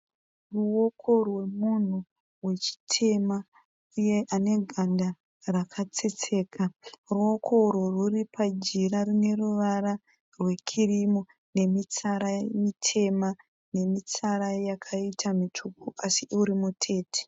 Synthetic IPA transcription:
ruwokʰo̞rwe̞mun̤u | we̞t͡ʃi̥tʰe̞ma | uje̞ʔane̞ɡʱanda | rakʰat͡set͡se̞ːkaruo̞kʰo̞roruripʰad͡ʒiɾarine̞ruʋara | rwe̞kʰirimo | ne̞mit͡saɾamitʰe̞ma | ne̞mit͡saɾajakʰaitʰamitʰukuʔasiʔuɾimutʰe̞ːtʰe̥

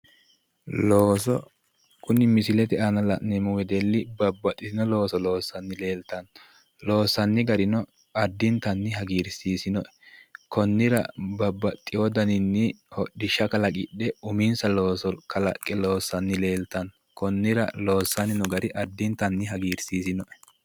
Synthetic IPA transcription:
loːsɔ | kʊnɪmɪsɪlɛt̪ɛanɐlɐ̰ʔnɛmʊwɛd̪ɛlːɪbɐbːɐt̪ʼːɪsɪnɔlo̞ːsɔlo̞ːsːɐnːɪle̞ːlt̪ɐn | loːsɐnːɪɡɐɾɪnɔ | ɐd̪ːɪnt̪ɐnːɪɦɐɡiːɾsiːsɪnɔʔɛkɔnːɪɾɐ̰bɐbːɐt̪ʼːɪjod̪ɐnɪnːɪhɔɗɪʃɐkɐlɐkʼɪ̰ɗɛʊmɪnsɐloːsɔkɐlɐkʼːɛlo̞ːsːɐnːɪle̞ːlt̪ɐn | kɔnːɪɾɐ̰loːsːɐnɪnɔɡɐɾɪʔɐd̪ːɪnt̪ːɐnːɪɦɐɡiːɾsiːsɪnɔʔɛ̥

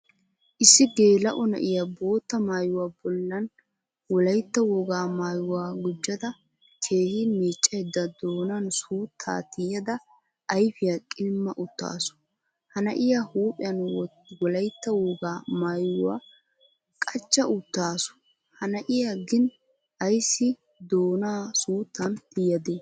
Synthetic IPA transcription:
ʔɪsːɪɡe̞ːlɐʔɔnɐ̰ʔɪjabo̞ːt̪ːɐmaːjʊwaːbɔlːɐn | wɔlɐjt̪ːɐwɔɡaːmaːjʊwaːɡʊd͡ʒːɐd̪ɐ | kʰe̞ːhɪmeːt͡ʃʼːɐjɛd̪ːɐd̪oːnɐnsuːt̪ʰːa̰ːt̪ɪjɐd̪ɐ | ʔɐjfɪjakʼɪlmːɐʔʊt̪ːa̰ːsʊ̥ | hɐnɐʔɪjahuːpʼɪjɐn | wɔlɐjt̪ːɐwɔɡaːmaːjʊwa̰ː | kʼɐt͡ʃːɐʔʊt̪ːaːsʊ̥ | hɐnɐʔɪjaɡɪn | ɐjsːɪ | d̪oːnaːsuːt̪ːɐnt̪ɪjɐd̪eː

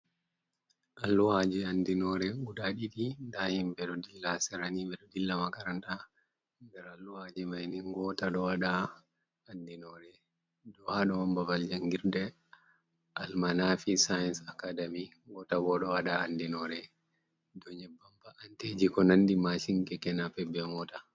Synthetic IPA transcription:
ʔalːuhad͡ʒiandinɔɾɛuɗaɗiɗindahimbɛɗɔdilːasɛɾanibɛɗɔdilːamakaɾanta | nɡɛɾalːuhad͡ʒimajniŋɡɔtaɗɔwaɗa | andinɔɾɛ | dɔhaɗɔwambabald͡ʒaŋɡiɾdɛ | ʔalmanafisajɛnsakadami | ɡɔtaɡɔɗɔwaɗaːndinɔɾɛ | dɔɲɛbambaʔanted͡ʒikɔnandimaʃiŋkɛkɛnapɛbːɛmɔta

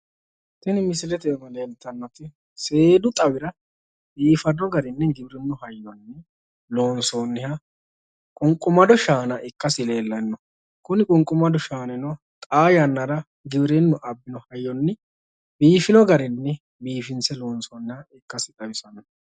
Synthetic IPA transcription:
t̪ɛnɪmɪsɪlɛt̪ɛmɐlɛnt̪ːɐnːɔt̪ɪ | se̞ːd̪ʊt̪ʼɐwɪɾɐ | biːfɐd̪ɔɡɐɾɪnːɛɡɪbɪɾɛnːʊhɐjːɔnːɛ | lo̞ːnsoːnːɪhɐ | kʼʊŋkʼːʊmɐd̪ɔʃaːnɐʔɪkːɐsɪle̞ːlːɐnːɔ | kʊnɪkʼʊŋkʼːʊmɐd̪ɔʃaːnɛnɔ | t̪ʼaːjɐnːɐɾɐ | ɡɪbɪɾɛnːɔʔɐbːɪnɔhɐjːɔnːɪ | biːfɪnɔɡɐɾɪnːɛ | biːfɪnsɛlo̞ːnsoːnːɪhɐɪkːɐsɪt̪ʼɐwɪsɐnɐ

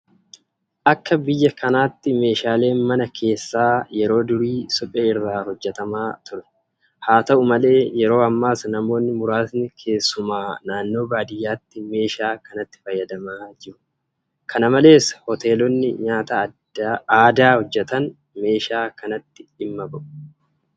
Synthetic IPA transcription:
ʔɐkːɐbɪjːɐkɐnaːt̪ːɪme̞ːʃaːle̞ːnmɐnɐkʰe̞ːsːaːjɛɾo̞ːd̪ʊɾiːsɔpʼːeːɪrːaːhɔd͡ʒːɛt̪ɐmaːt̪ʊɾɛ̥ | haːt̪ɐʔʊmɐle̞ːjɛɾo̞ːɐmːaːsnɐmo̞ːnːɪmʊɾaːsnɪkʰe̞ːsːʊmaːnaːnːo̞ːbaːd̪ɪjːaːt̪ːɪme̞ːʃaːkɐnɐt̪ːɪ̥fɐjːɐd̪ɐmaːd͡ʒɪɾʊ̥ | kʰɐnɐmɐle̞ːshɔt̪e̞ːlɔnːɪ̰ɲaːt̪ɐ | aːd̪aːhɔd͡ʒːɛt̪ɐn | me̞ːʃaːkɐnɐt̪ːɪɪmːɐbɐʔʊ̥

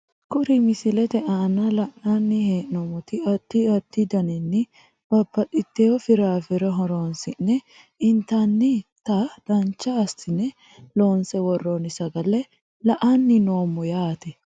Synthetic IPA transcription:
kʊɾɪmɪsɪlɛt̪ɛʔaːnːɐlɐʔnanːɪheːʔnɔmɔt̪ɪɐt̪ːɪɐt̪ːɪd̪ɐnɪnːɪ | b̥ɐbːɐt̪ʼɪt̪ːeɔfɪɾaːfɪɾɛɦɔɾoːnsɪnːɛ | ɪnt̪anːɪt̪ɐd̪ɐnt͡ʃːɐːst̪ɪnɛ | lo̞ːnsɛwɔrːonɪsɐɡɐlɛ | lɐʔanːɪnoːmːɔjaːt̪ɛ

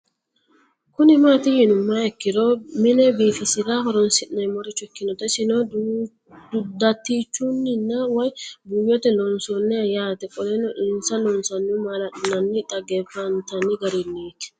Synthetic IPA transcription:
kʊnɪmaːt̪ɪhɪnʊmːɐɛkːɪɾɔmɪnɛbiːfɪsɪɾɐhɔɾɔnsɪʔnɐjmɔɾɪt͡ʃːʊɛkːɪnɔt̪ɛsɪnɔ | d̪ʊd̪ːɐt̪ːiːt͡ʃːʊnːɪnːɐwɔjbʊjɔt̪ɛlɔnsɔnːɛɐjaːt̪ɛkʼɔlɛnɔʔɪnsɐnɔnsɐnːʊmɐlɐnɐnːɪt̪ʼɐɡɛfɐnt̪ɐnːɪɡɐɾɪnːiːt̪ɪ̥

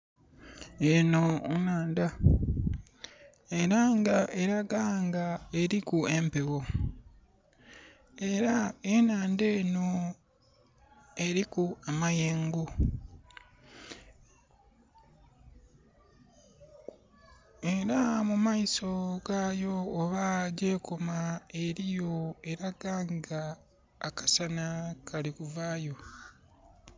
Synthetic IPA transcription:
enonaːnda | eɾaŋɡaʔeɾaɡaːŋɡae̞ɾikue̞mpe̞wo | e̞ɾaenaːnde̞ːno | e̞ɾikuamajeːŋɡu | e̞ɾamumaiso̞ɡaːjo̞ːβaɟe̞ːkʰomae̞ɾijo̞e̞ɾaɡaːŋɡaː | kḁsanakʰalikuvaːjo̞

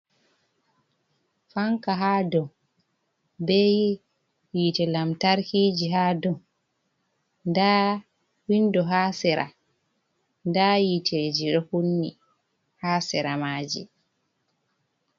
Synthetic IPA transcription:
faŋkaɦaːdɔm | bɛji | jitɛlamtaɾkiːd͡ʒiɦaːdɔn | ndaː | windɔɦaːsɛɾʔa̰ | ndajitʰed͡ʒiɗɔhunːi | haːsɛɾamaːd͡ʒḭ

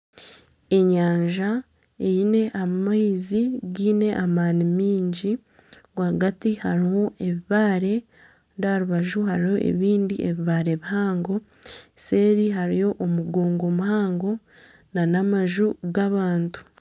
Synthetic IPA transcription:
e̞ɲaːɲʒa | e̞jine̞ʔamaiziɡiːne̞ʔamaːnimiːɲɟi | ɡwahaɡatihaɾiho̞e̞βiβaːɾe̞ | ndaɾuβaʒuhaɾiho̞ʔḛβiːndiʔeβiβaːɾe̞βihaːŋɡo̞ | se̞ːɾiɦaɾijo̞ʔomuɡoːŋɡo̞muhaːŋɡo̞ | nanamaʒuɡaβaːntu̥

